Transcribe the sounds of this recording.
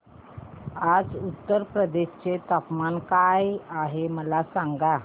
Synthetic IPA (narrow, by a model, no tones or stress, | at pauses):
ad͡zut̪ːəɾpɾəd̪eɕt͡set̪apmankajaɦeməlasãŋɡa